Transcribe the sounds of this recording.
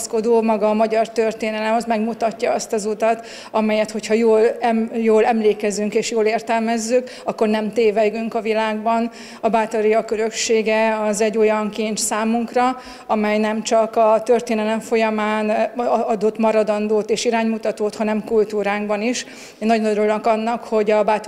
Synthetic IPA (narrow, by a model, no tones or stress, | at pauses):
sko̞d̪oːmɒɡɒmɒɟɒrt̪ørt̪eːnɛlɛmɒzmɛɡmut̪ɒcːɒɒst̪ɒzut̪ɒt̪ | ɒmɛjɛt̪ho̞chɒjoːlɛmjoːlɛmleːkɛzyŋkeːʃjoːleːrt̪ɛlmɛzːyk | ɒkːo̞rnɛmt̪eːvɛɡyŋkɒvilaːɡ̚bɒn | ɒbaːt̪oɾijɒkːøɾø̞kʃeːɡɛɒzɛɟːo̞jɒŋkiɲt͡ʃsaːmuŋkrɒ | ɒmɛjnɛmt͡ʃɒkɒt̪ørt̪eːnɛlɛɱfo̞jɒmaːnɒd̪o̞t̪mɒɾɒd̪ɒnd̪oːt̪eːʃiɾaːɲmut̪ɒt̪oːt̪hɒnɛmkult̪uːɾaːɡ̚bɒniʃ | eːnːɒɟonoɾulokɒnːɒkho̞ɟɒbaː